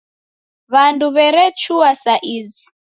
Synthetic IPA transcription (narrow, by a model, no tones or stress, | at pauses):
βanduβɛɾɛt͡ʃʰuasaʔiːzi